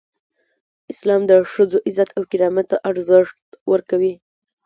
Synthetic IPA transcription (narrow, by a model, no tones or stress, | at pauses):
ɪslɑmd̪əʂəzoʔɪzat̪awkɪɾɑmat̪ːaʔaɾzəʂtt̪wəɾkawi